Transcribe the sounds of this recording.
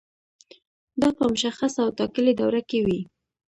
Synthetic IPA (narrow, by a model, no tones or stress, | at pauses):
d̪ɑpəmʊʃaxasawt̪ɑkəled̪awɾakewi